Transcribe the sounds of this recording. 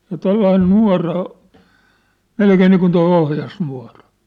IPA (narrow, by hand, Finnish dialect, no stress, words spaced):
jɑ tolːɑin nuɑ̝rɑ o melkeː niːkun toi ohjɑsnuɑ̝rɑ